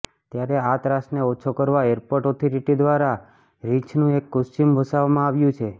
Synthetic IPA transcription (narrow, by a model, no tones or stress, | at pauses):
t̪jaɾeat̪ɾasneɔt͡ʃʰokəɾʋaeɾpoɾʈɔt̪ʰɔɾiʈid̪ʋaɾa | ɾit͡ʃʰnũekːʊst͡ʃimbʱəsaʋamãaʋjũt͡ʃʰe